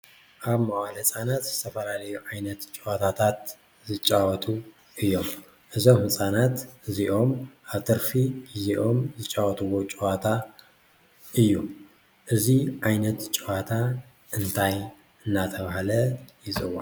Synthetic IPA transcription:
ʔaβmaʔʷalɨt͡sʼanat̪zɨt̪ʰɐfɐlalɐjuʕajnɐt̪t͡ʃʼwat̪ʰat̪ʰat̪ | zɨt͡ʃʼːawɔt̪ʼu | ʔɨjːo̞m | ʔɨzomhɨt͡sʼanat̪ɨziʔo̞maβt̪ʰɐɾfiiziʔo̞mzɨt͡ʃʼawɔt̪ʼɨwo̞t͡ʃʼuwat̪ʰa | ʔɨjːu | ʔɨziʕajnɐt̪t͡ʃʼuwat̪ʰa | ʔɨnt̪ʰaj | ʔɨnːat̪ʰɐβahlɐjɪzʼɨwa̰

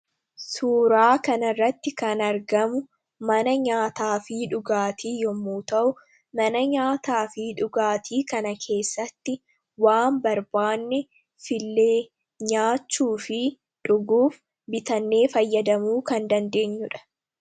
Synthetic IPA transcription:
suːɾaːkɐnɐrːɐt̪ːɪkɐnɐɾɡɐmʊ | mɐnɐɲaːt̪aːfɪᶑʊɡaːt̪ʰiːjɔmːuːt̪ɐʔʊ | mɐnɐɲaːt̪aːfɪᶑʊɡaːt̪ʰiːkɐnɐkʰe̞ːsːɐt̪ːɪ | waːmbɐɾbaːnːɛ | fɪlːeː | ɲaːt͡ʃːuːfɪ | ᶑʊɡuːf | bɪt̪ɐnːe̞ːfɐjːɐd̪ɐmuːkɐnd̪ɐnd̪e̞ːɲːʊᶑɐ̥

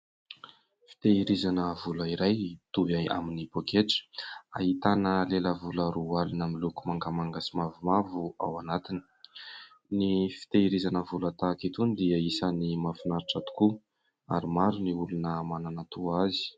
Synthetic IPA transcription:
fi̥t̪eiɾizanəvuləiɾajt̪uvaja̰minipokeʈ͡ʂə̥a̰ɦit̪anəleləvuləɾualunamilukumaŋkamaŋɡasimavumavua̰wanat̪ini̥ | nifi̥t̪eiɾizanəvulat̪akit̪unid̪iəisənimafinaɾiʈ͡ʂat̪u̥ku | a̰ɾimaɾuniulunəmananat̪uazi̥

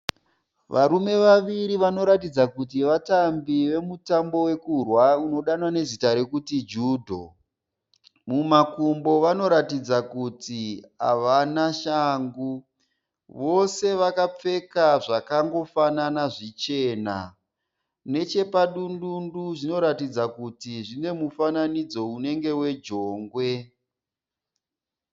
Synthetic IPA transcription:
ʋʔaɾume̞ʋaʋiɾiʋano̞ɾatid͡zakut̬iʋatambiʋe̞mutambo̞we̞kurwauno̞ɗanwane̞zitaɾe̞kutid͡ʒuːdʱo̰ | mumakumbo̞ʋano̞ɾatid͡zakutia̰ʋanaʃaːŋɡu | ʋo̞se̞ʋakap͡fe̞kaʐakaŋɡo̞fananaʐit͡ʃe̞ːna̰ | ne̞t͡ʃe̞paɗundunduʐino̞ɾatid͡zakutiʐine̞mufananid͡zo̞une̞ŋɡe̞we̞d͡ʒo̞ːŋɡwe̞

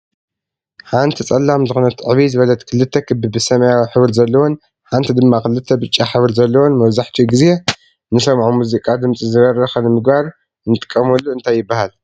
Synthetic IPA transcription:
ħant̪ʰit͡sʼɐlːamzɨxunɐt̪ʰɨʕβizɨβɐlɐt̪ʼkʰɨlːɨt̪ʰːɐkʰɨbɨbɨsɐmajawħɨβɨɾzɐlːɐwon | ħant̪ʰid̪ɨmːaxɨlɨt̪ʰːɐbɨt͡ʃʼːaħɨβɨɾzɐlːɐwonmɐβzaħt̪ʰiɡɨze | nɨsɐmʕumuzikʼad̪ɨmt͡sʼizɨβɐrːɐxɐnɨmɨɡbaɾ | nɨt̪ʼɨ̥kʼːɐmɐlːuɨnt̪ʰajːɪbːahal

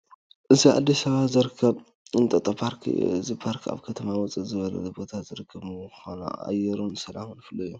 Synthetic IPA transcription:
ʔɨzia̰d̪ːisɐβazɨɾɨkʰːɐβ | ɨnt̪ʼɐt̪ʼɐpʰaɾkʰɨzipʰaɾkʰa̰βkʰɐt̪ʰɐmawɔt͡sʼizɨβɐlɐ̰bo̞t̪ʰazɨɾɨkʰːɐβmxona̰a̰jɛɾunsɐlamunfɨlːɐjːu

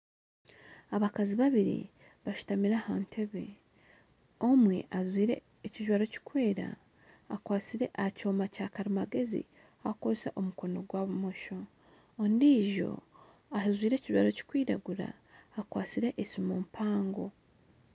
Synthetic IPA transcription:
aβakaziβaβiɾḭ | βaʃu̥tamiɾahaːntʰe̞βe̞̰ | omweʔazwiːɾe̞̰ːciʒwaːɾo̞ci̥kwe̞ːɾa̰ː | kwaːt͡siɾe̞ʔaco̞ːmacaːkaɾimaɡe̞zḭ | ahakosaʔo̞muko̞no̞ɡwaːβumo̞ʃoː | ndiːʒo̞̰ | ahzwiːɾe̞ːciʒwa̰ːɾo̞ci̥kwiːɾaɡuɾa̰ː | kwaːt͡siɾe̞ʔesimuːmpʰaːŋɡo̞

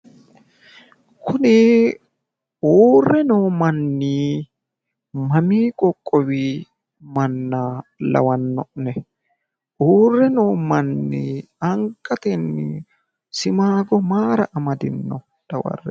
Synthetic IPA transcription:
kʰʊnɪ | oːrːɛnoːmɐnːiː | mɐmiːkʼɔkʼːɔwi | mɐnːalɐ̰wɐnːɔʔnɛ | ʔoːrːɛnoːmɐnːḭ | ɐŋkʼːɐt̪ɛnːɪ̰ | sɪmaːɡɔmaːɾɐʔɐmɐd̪ɪnːɔ | d̪̥ɐwɐ̰rːɛ

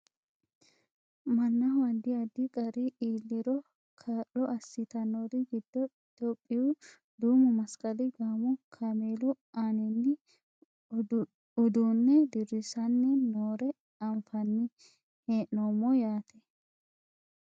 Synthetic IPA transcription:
mɐnːɐwɐd̪ːɪɐd̪ɪkʼɐɾɪʔiːlːɪɾɔ | kʰaːlːɔʔɐsːɪt̪ɐnoɾɪɡɪd̪̥ːɔɪt̪oːpʼːɪjʊ | d̪uːmʊmɐskʼɐlɪɡaːmɔkʰameːlʊ | aːnɪnːɪ | ʊd̪uːnːɛd̪ɪɾɪsɐnːɛnoːɾɛ | ɐmfɐnːɪ | heːʔnomːɔjaːt̪ʰɛ̥

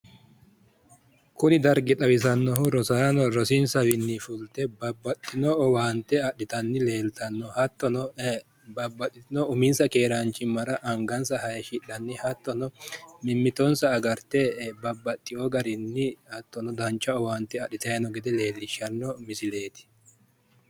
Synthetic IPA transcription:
kʊnɪd̪ɐɾɡɛt̪ʼɐwɪs̬ɐnːɔɦʊɾɔsaːnɔɾɔsɪnsɐwɪnːɪfʊlt̪ɛbɐbːɐt̪ʼːɪnɔɔwaːnt̪ːɛɐɗːɪt̪ɐnːɪleːlt̪ɐnːɔhɐt̪ːɔnɔ | bɐbːɐt̪ːɪt̪ɪnɔʊmɪnsɐkeːɾɐnt͡ʃːɪmːɐɾɐʔɐŋɡɐnsɐhɐjɛʃɪᶑːɐnːɪhɐt̪ːɔnɔmɪmːɪt̪ɔnsɐːɡɐɾt̪ɛbɐbːɐt̪ʼːɪjɔɡɐɾɪnːɪhɐt̪ːɔnɔd̪ɐnt͡ʃːɐɔwaːnt̪ːɛɐɗːɪt̪ɐjɐnɔɡɛd̪ɛle̞ːlːɪʃːɐnːɔmɪsɪle̞ːt̪ɪ̥

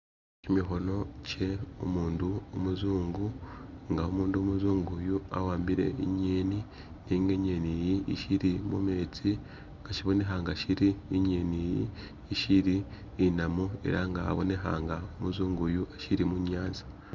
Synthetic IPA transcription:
cimiɦo̞no̞ce̞omuːnduomuzuːŋɡuŋɡaomuːndumuzuːŋɡujua̰waːmbiɾe̞̰iɲeːni | niŋɡeɲenijiʔiʃiɾimume̞ːt͡si | ŋɡaʃiβo̞ne̞ɦaːŋɡaʃiɾiːɲenijḭː | ʃiɾiː | namue̞̰ɾaŋɡa̰ːβone̞ɦa̰ːŋɡaomuzuːŋɡujuaʃiɾimuɲaːnzḁ

